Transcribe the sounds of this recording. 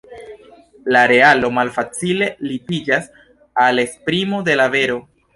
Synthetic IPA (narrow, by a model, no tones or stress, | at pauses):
laɾe̞alo̞malfat͡sile̞lipid͡ʒas | ale̞spɾimode̞lave̞ɾo̞